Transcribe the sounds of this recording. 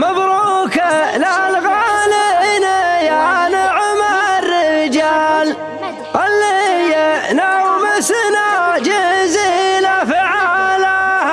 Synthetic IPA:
mabɾu | kalalɣalɪnajanaʕʊmarːɪɪd͡ʒal | ʔalːijanawmɪsnad͡ʒɪzilafɪʕala

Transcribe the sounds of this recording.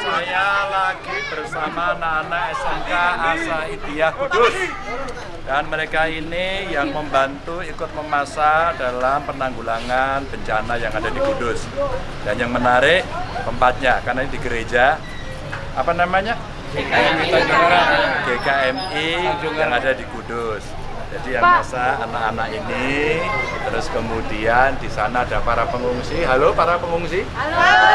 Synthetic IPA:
sajalaɡibərsamanaːnaɛsɛmkaːsaidijaɡudʊs | d̥anməɾekainijaŋməmbant̪uikʊt̪̚məmasadalampənaŋɡulaŋanb̥əɲt͡ʃanajaŋadadiɡudʊs | danjaŋmənaɾɪʔpəmpat̪̚ɲakarnaɲadiɡəɾed͡ʒa | apanamaɲa | ait̪ad͡ʒuad̥ekaɛmijaŋadadikudʊs | d͡ʒadijamasaːnakanakini | t̪əɾʊskəmudiandisanaːdapaɾapəŋuŋsiɦalopaɾapəŋuŋsi

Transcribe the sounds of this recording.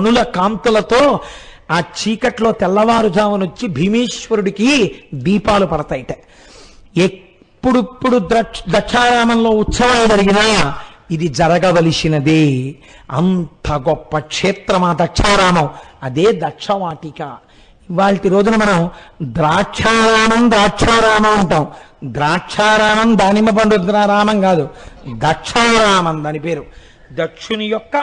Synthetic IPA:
ɐnulɐkaːnt̪ulɐt̪o̞ː | aːt͡ʃiːkɐʈlo̞ːt̪ɛlːɐʋaːɾud͡ʒ̪ʱaːʋɐnuɲt͡ʃibʱimiːʂʋɐɾuɽikid̪iːpaːlupɐɽɐt̪ɐːjiʈɐ | e | pːuɽupːuɽuɐd̪ɐʂʰaːɾaːmɐnlo̞ːut̪sɐʋɐmd͡ʒɐɾiɡinɐid̪id͡ʒɐɾɐɡɐʋɐlisinɐd̪e | ɐ̰nt̪ɐɡɔpːɐkʂeːt̪ɾɐmaːd̪ɐʈt͡ʃʰɐʋɾaːmɐmɐd̪eːd̪ɐʂʰɐʋaːʈika | iʋaːɭʈiɾo̞ːd͡ʒunɐmɐnɐmd̪ɾaːt͡ʃʰɐwɾaːmɐmd̪ɾaːt͡ʃʰɐːɾaːmɐmuɳʈaːw | d̪ɾaːʂʰaːɾaːmɐmd̪aːnimɐpɐɳɖud̪ɾaːɾaːmɐŋɡaːd̪ud̪ɐʂʰɐɾaːmɐnd̪aːnipe̞ːɾu | d̪ɐʂunujɔkːɐ

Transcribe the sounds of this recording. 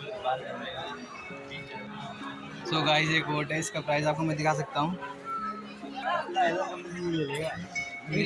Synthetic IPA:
a | soːɡaːɦisekʋoːɾʈɦɛɪskapɾaːɪzaːp̚komɛ̃d̪ɪkʰas̬ɐk̚t̪aɦũ | t̪aɦelasɐməd͡ʒnĩmeleːɡam

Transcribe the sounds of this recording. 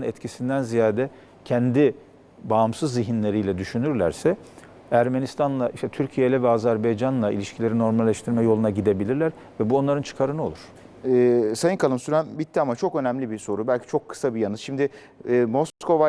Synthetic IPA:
nɛt̪cʰisind̪ænzijaːd̪ɛ | cʰɛnd̪i | baːmsɯzːiɦinlʲe̞ɾijlʲɛd̪yʃynyɾlʲæɾsɛ | æɾmenist̪ʰanlˠaʔiʃt̪ɛt̪ʰyɾcʰijejlʲɛvɛazæɾbajd͡ʒanlˠaḭlʲiʃcʰilʲe̞ɾino̞ɾmalʲːɛʃt̪ʰiɾmɛjo̞lˠunaɟid̪e̞bilʲiɾlʲæɾ | vɛbuo̞nlˠaɾɯnt͡ʃʰɯ̥kʰaɾɯnɯo̞lˠuɾ̥ | ɛsajɯnkʰalˠɯmsyɾæmbit̪ʰːiamat͡ʃʰo̞kø̞næmlʲibiso̞ɾubælʲcʰi̥t͡ʃʰo̞kʰːɯ̥sabijanɯ̥ʃimd̪ɪː | mo̞sko̞va

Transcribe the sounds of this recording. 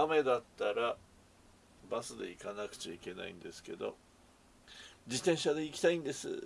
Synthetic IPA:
ame̞d̪at̪ːaɾa | basɨd̪e̞̰ikanakɯ̟̥t͡ɕaike̞na̰ḭ̃nd̪e̞sɨ̥ke̞̰d̪o̞̰ | d͡ʑit̪ẽ̞ɰ̃ɕad̪e̞ikʲi̥t̪aĩnd̪e̞sɨ̰

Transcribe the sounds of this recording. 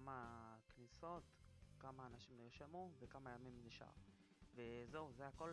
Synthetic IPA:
makniso̞tkamaːnaʃimniʁʃamuvekamajamimniʃa̰ʁ | veze̞uzeako̞l

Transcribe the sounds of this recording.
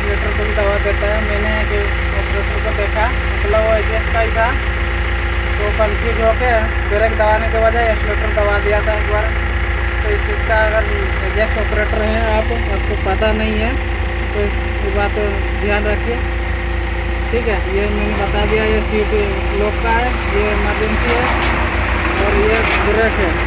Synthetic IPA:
sɾeːʈəɾkobʱid̪ɐʋad̪eːt̪aɦɛmɛːneake | ɔːpɾeːʈəɾkod̪eːkʰa | mɐt̪ləbʋoed͡ʒesʈkaːit̪ʰa | t̪obɐlkid͡ʒoke | d̪eɾekd̪ɐʋaːnekeʋɐd͡ʒaesɾeːʈəɾd̪ɐʋad̪ijat̪ʰaɪkbaːɾ | t̪oɪsɪskaɐɡəɾ | ed͡ʒeksɔːpɾeʈəɾɦɛ̃aːp | aːp̚kopɐt̪anɐɦĩɦɛ | koɪs | kibaːt̪ | d̪ʱjaːnɾɐkʰie | ʈʰiːkɦɛjemɛnebɐt̪ad̪ijajesiopi | loːkkaɦɛ | je | maɾd͡ʒensiɦɛ | ɔːɾje | ɡʊɾeːʈɦɛ

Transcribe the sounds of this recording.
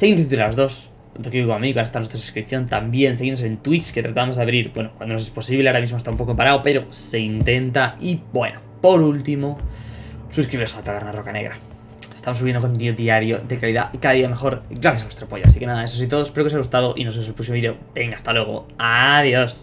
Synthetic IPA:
se̞ɣind̪ot̪t̪uɾalozðo̞s | ant̪okeβikoŋamikwnest̪anwest̪ɾasu̥skɾipθjo̞nt̪ambje̞nseɣinosent̪wit͡ʃke̞t̪ɾat̪aamoðaβɾiɾbwenokwand̪onos̬espo̞siβleaoɾamizmost̪aumpo̞kopaɾaope̞ɾose̞int̪e̞nt̪aibwe̞̰nopo̞ɾult̪imo | suskɾiβiɾoaat̪aɣeɾnaro̞kane̞̰ɣɾa̰ | est̪amos̬uβjendokont̪̬ioðiaɾjoðe̞kaliða̰ikaðaðiamexo̞ɾɡɾaθjasaβwest̪ɾoapo̞ʝoasike̞naðae̞sosit̪o̞ðospeɾokesaɣust̪aðoʔḭnosos̬epɾos̬imoiðeo̞b̥e̞ŋɡast̪alwe̞ɣ̞o̰aðjos

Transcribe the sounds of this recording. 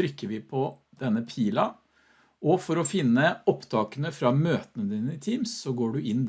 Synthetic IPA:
ɾʏkːəɾʋɪpʰɔ | d̪̥ɛnːəpʰiːlɑ | ʔɔfɔɾɔfɪnːəɔpt̪ʰɑːkənəfɾɑmøːt̪ənəd̪iːnəɪt̪ʰiːmsːɔɡoːɖʉʔɪn

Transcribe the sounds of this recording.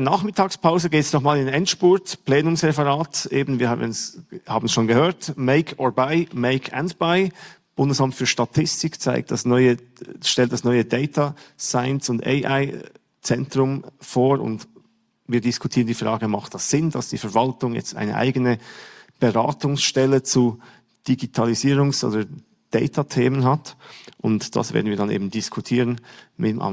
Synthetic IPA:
naːχmɪtʰaːkspʰaʊzəɡeːtsnɔχmaːlɪnɛntʃpʊɐtplɛːnʊŋsʁɛfəʁaːtʔeːbn̩viːɐha̰ənshaːbn̩sʃoːnɡəhøːɐtmeɪkʰɔbaɪmɛɪkʰɛ̰ndb̥aɪ | b̥ʊndəsamtfyːɐʃtatʰɪstɪkt͡sa̰ɪk̚td̥asnɔʏəʃtɛlt̚d̥asnɔʏədɛɪtʰasaɪnsʊndḛɪʔa̰ɪ | t͡sɛntʁʊmfoːɾʊ̰nt | viːɐdɪskʰʊtʰiːʁəndiːfʁaːɡəmaχt̚d̥ɑsz̥ɪndasd̥iːfɛɐvaltʊŋjɛ̰t͡stʔa̰ɪnə̰ʔa̰ɪɡənəb̥əʁa̰ːtʊŋsʃtɛlət͡su | d̥iɡitʰaliziːʁʊŋsʔo̰ːdə | d̥ɛɪtʰatʰeːmənɦatʔʊntd̥a̰sv̥ḛːdn̩viːdanʔḛːbmn̩dɪskʰʊtʰiːʁənmɪtmʔa̰

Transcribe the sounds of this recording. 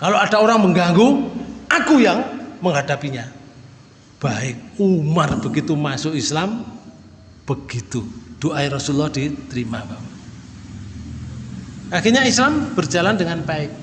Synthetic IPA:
kaload̥a̤oɾaŋməŋɡaŋɡuʔakujaŋməŋɦad̥apiɲa | b̥aɪk̚umarb̥əɡit̪umasʊʔislam | b̥əɡ̥it̪ud̪̥oʔaiɾɔsulɔhd̥it̪ɾimab̥apa | axirɲaislamb̥ər̥d͡ʒ̥a̤landəŋanpaɪk̚

